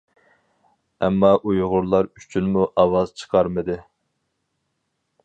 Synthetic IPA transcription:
ɛ̰mːɑʔujʁʊɾlˠɑɾyt͡ʃʰynmuʔɑwɑz̥t͡ʃʰə̥qʰɑɾmɨd̪ɨ

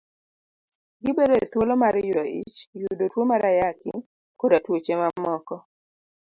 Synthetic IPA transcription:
ɡɪbedoet̪wolomaɾjudoḭt͡ʃjudotwomaɾajakɪ̰ | kodatwot͡ʃemamɔkɔ

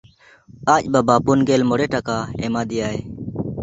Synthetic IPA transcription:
aːcbɐbaːpunɡeːlmoɽeʈakaːemaːd̪ijaːe

